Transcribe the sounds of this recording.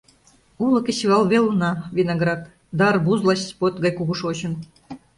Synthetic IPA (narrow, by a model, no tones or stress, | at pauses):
ulɤ̆kĕɕiɑlˠβelunɑvʲenɑɡrɑt̪ | d̪ɑrbuzlˠɑɕʲspot̪ɡɑjkuɣuʃot͡ɕə̆n